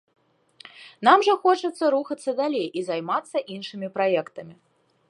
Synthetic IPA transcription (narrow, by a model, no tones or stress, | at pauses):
namʐɐxɔt͡ʂɐt̪sːɐɾuxɐt̪sːɐd̪alʲejʔizajmat̪sːɐʔinʂɨmʲipɾajɛkt̪ɐmʲi